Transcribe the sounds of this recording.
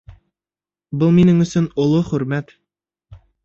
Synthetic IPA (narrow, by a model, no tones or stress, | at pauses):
bɤlˠminɘŋɵ̆sɵnŏlˠoχɵ̆ɾmæt̪